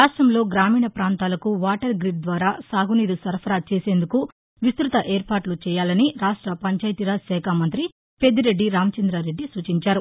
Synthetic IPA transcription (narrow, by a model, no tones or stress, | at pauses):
aːʂʈɾɐmlo̞ːɡɾaːmiːɳɐpɾaːnt̪aːlɐkuʋaːʈɐɾɡɾiʈ̚d̪ʋaːɾaːsaːɡuniːɾusɐɾpʰɐɾaːt͡ʃe̞ːse̞ːnd̪uku | ʋist̪ɾut̪ɐʔeːɾpaːʈlut͡ʃɛːjaːlɐniɾaːʂʈɾɐpɐɲt͡ʃaːjt̪iɾasɛːkʰaːmɐnt̪ɾi | pe̞d̪iɾe̞ɖːiɾaːmɐt͡ʃɐnd̪ɾaɾe̞ɖːisuːt͡ʃiɲt͡ʃaːɾu